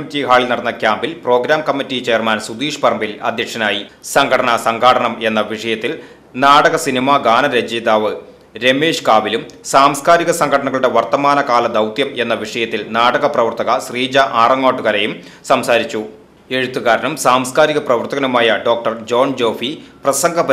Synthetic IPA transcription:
uɳtːiɦaːɭilnɐɽɐnːɐkʲjaːmbilpro̞ːɡɾaːmkɐmːitːit͡ɕejɐrmɐnsud̪iːʂpɐrmbilɐ̰d̪ʱjɐkʂɐnaːjisɐŋɡʱɐɽɐɳɐsɐŋɡʱaːɽɐɳɐme̞nːɐʋiʂɐjɐt̪ːil | naːɽɐɣɐsinimaɡaːnɐɾed͡ʑeːd̪aːʋɨ | ɾe̞meːʂkaːʋilumsaːmskaːɾiɣɐsɐŋɡʱɐɽɐɳɐɣɐɭuɽe̞ʋɐrt̪ɐmaːnɐkaːlɐd̪ɐwt̪jɐme̞n̪ːɐʋiʂɐjɐt̪ːilnaːɽɐɣɐprɐʋɐrt̪ɐɣɐsriːd͡ʑɐʔaːrɐŋːoːʈːuɣɐɾejum | sɐmsaːɾit͡ɕːu | e̞ɻut̪ːuɣaːɾɐɳumsaːmskaːɾiɣɐprɐʋɐrt̪ɐɣɐnumaːjɐɖo̞ːk̚ʈɐrd͡ʑo̞ːnd͡ʑo̞ːfiprɐsɐŋɡʱɐɐ

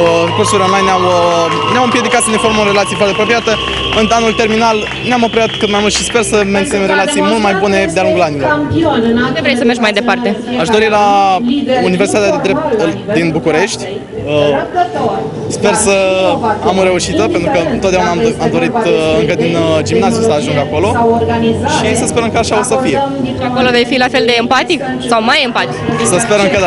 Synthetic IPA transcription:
kursulionlajneawnawɨmpje̞d̪ikat̪səne̞fo̞ɾmoɾe̞lat̪sijefwart̪eapɾopɾijat̪ə | ɨnanult̪e̞rminal | namo̞pɾijat̪kɨt̪majmult̪ʃispe̞rsəme̞nt̪inemɾe̞lat̪sijmult̪̚majbune̞d̪ealuŋɡulanilo̞r | d̪evɾejsəme̞rʒɡmajd̪e̞part̪e̞aʃd̪o̞ɾila | universi̥t̪at̪jad̪ed̪ɾe̞p̚t̪d̪inbukuɾe̞ʃt̪ʲ | ə | spe̞rsəamoɾe̞uʃit̪əpent̪ɾukəɨnot̪d̪aunamamd̪o̞ɾit̪ɨŋkəd̪ind͡ʒimnaziusəaʒuŋɡako̞lo̞ɡaniʃisəspeɾəŋkaʃaosəfije̞iako̞lo̞vejfilafe̞ld̪e̞ːmpat̪ik | sawmajempat̪iksəspe̞ɾəŋkad̪

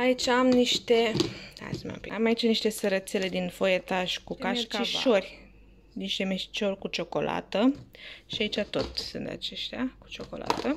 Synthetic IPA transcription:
ait͡ʃaamniʃt̪e̞a̰smḛmpḭamait͡ʃaniʃt̪e̞səɾət̪sele̞d̪info̞je̞t̪aʃʲkukaʃkt͡ʃiʃorʲ | niʃt̪e̞meʃi̥t͡ʃo̞rʲkut͡ʃo̞ko̞lʔa̰t̪əʃiait͡ʃat̪o̞t̪ʲsɨnt̪a̰t͡ʃe̞ʃt̪eaku̥t͡ʃo̞ko̞̰la̰t̪ə

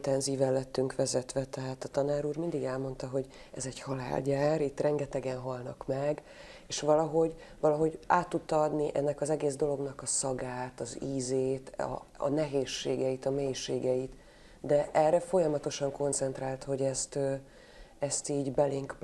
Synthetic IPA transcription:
t̪ɛnziːvɛlːɛt̪ːyŋkʋɛzɛt̪ʋɛt̪ɛɦaːt̪ɒt̪ɒnaːɾuːrmind̪iɡɛlmo̞nt̪ɒɦo̞ɟ | ɛzɛɟhɒla̰ːlɟaːrit̪ːrɛŋɡɛt̪ɛɡɛnɦɒlnɒkmɛɡ | eːʃʋɒlɒɦo̞ɟvɒlɒɦo̞ɟaːt̪ːut̪ːɒɒd̪niʔɛnːɛkɒzɛɡeːzd̪o̞lo̞ɡnɒkɒsɒɡaːt̪ɒziːzeːt̪ɒ̰ːnɛɦeːʃːeːɡɛjit̪ɒmeːjʃːeːɡɛit̪ | d̪ɛʔɛrːɛfo̞jɒmɒt̪o̞ʃɒŋko̞nt̪sɛnt̪raːlt̪ho̞ɟɛst̪ø | ɛst̪iːɟbɛleːŋk

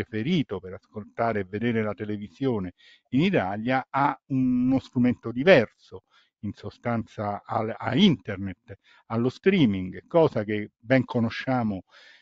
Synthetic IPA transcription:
efeɾiːt̪opeɾaskolt̪aːɾeːvːed̪eːɾelat̪elevizjoːne | init̪aljaaunnost̪ɾument̪od̪ivɛrso | insost̪ant̪saaa̰int̪ernet̪ | alːost̪ɾiːmiŋɡkːɔːzak̟ebɛŋkʰonoʃːaːmo

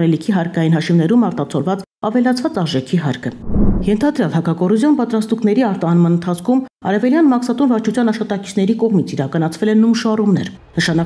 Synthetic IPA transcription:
ɾɛlikʰiɦɑɾkɑjinɦɑʃimnɛɾumɑɾt̪ɑt͡sʰɔlvɑt͡s | ɑvɛlɑt͡sʰvɑt͡sɑɾʒɛkʰiɦɑ̰ɾkʰəjɛnt̪ʰɑd̪ɾjɑlhɑkɑkɔɾuzjɔnpɑt̪ɾɑst̪uknɛɾiɑɾt̪ɑnmɑnənt̪ʰɑt͡sʰkʰumɑ̰ɾɛvɛljɑnmɑksɑt̪unvɑɾt͡ʃʰut͡sʰjɑnɑʃχɑt̪ɑki̥t͡sʰn̪ɛɾikɔʁmit͡sʰiɾɑkɑnɑt͡sʰvɛlɛnujnʃɑrumnɛ̰ɾnəʃɑnɑ

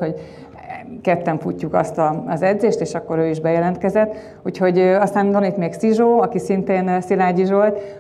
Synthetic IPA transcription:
ho | kɛt̪ːɛɱfucːukɒ̰st̪ɒɒzɛd̪zeːʃt̪eːʃɒkːo̞ɾøːiʒbɛjɛlɛnt̪kɛzɛt̪ː | uːcho̞ɟøɒst̪aːmd̪onit̪meːksiʒoːɒkisint̪eːnsilaːɟiʒo̞lt̪

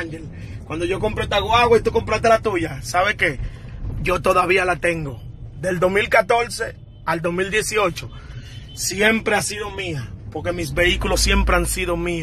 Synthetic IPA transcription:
ŋʝel | kwand̪o̞ʝo̞k̬o̞mpɾet̪aɣwaɣwait̪uko̞mpɾat̪e̞lat̪uʝasaβe̞ke̞ʝo̞t̪o̞ðaβialat̪e̞ŋɡo̞ðe̞ld̪o̞smilkat̪o̞ɾse̞ | ald̪o̞smild̪je̞sio̞t͡ʃo̞ | sje̞mpɾeasiðo̞miapo̞ɾke̞misβe̞ikulo̞sːje̞mpɾeansiðo̞mi

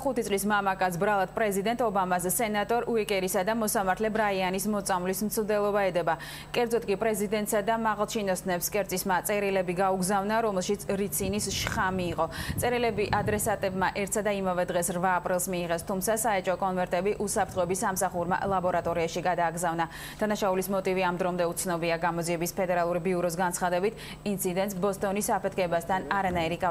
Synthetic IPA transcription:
χut̪ʰisʼlismamakʼasbɾalˠad̪̥̚pʼɾɛzid̪ɛnt̪ʼɔbamasːɛnat̪ʼɔɾuɛkʼɛɾisad̪amɔsamaɾt̪ʰlɛbɾaianismɔt̪sʼamvlismt̪sʰmd̪ɛlˠɔbaɛd̪ɛba | kʼɛɾd̪zɔt̪̚ʰkʼipʼɾɛzid̪ɛnt̪ʼsad̪amaʁalˠt͡ʃʰinɔsnɛpskʼɛɾt̪sʼismat̪sʼɛɾilɛbiɡauɡzavnaɾɔmɛlˠʃit̪sʰɾit̪sʰinisʃχamiːqʼɔsʼɛɾilɛbiʔad̪ɾɛsat̪ʼɛbmaʔɛɾt̪ʰsad̪aimavɛd̪ʁɛsɾvaːpʼɾilˠsmiːʁɛst̪ʰumt̪sʰasaɛt͡ʃʼɔkʼɔnvɛɾt̪ʼɛbiʔusapʰɾt̪ʰχɔɛbisːamsaχuɾma̰lˠabɔɾat̪ʼɔɾiaʃiɡad̪aːɡzavna | d̪̥anaʃaulismɔt̪ʼiviamd̪ɾɔmd̪ɛut̪sʰnɔbiaɡamɔd̪ziɛbispʰɛd̪ɛɾalˠuɾibiuɾɔs̬ɡant̪sʰχad̪ɛbit̪ʰ | int̪sʰid̪ɛnt̪ʼsbɔst̪ʼɔnisapʰɛt̪ʰkʰɛbast̪ʰanaɾanaiɾik

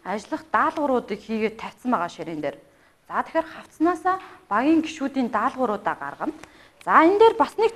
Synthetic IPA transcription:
at͡ɕɪɮə̆χt̪aːɮʁʊɾʊːt̪iːkxiːɣeːt̪ʰːæw̥ʲt͡sə̆mpæːʁaːʃiɾeːnt̪eːr | t͡sat̪ʰe̥xʲeːrχaw̥tsnaːsaːpaɣʲiːŋɡiʃuːt̪iːnt̪aːɮʁʊɾʊːt̪aːɢa̰rʁə̆n | t͡saent̪eːrpasnek̚t̪

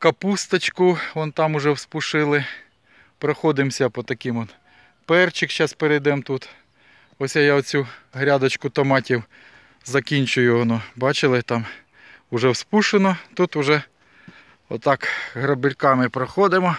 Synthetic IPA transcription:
kɐpust̪ɐt͡ʃkʊɔnt̪ɑmʊʒɛwspʊʃɪlˠɪ | pɾɐxɔd̪ɪmsʲɐpɔt̪ɐkɪmɔd̪ | pɛrt͡ʃɪkʃɑspeɾɐjd̪ɛmt̪ut̪ | ɔsʲjajawt͡sʲuɦɾʲɑd̪ɐt͡ʃkʊt̪ɔmɑtʲiw | zɐkʲinʲt͡ʃʊjʊɔnɔbɑt͡ʃɪlˠɪt̪ɑm | ʊʒɛwspuʃenɔt̪ut̪ʊʒɛ | ɔt̪ːɑkɦɾɐbɪlʲkɑmɪpɾɐxɔd̪ɪmɔ

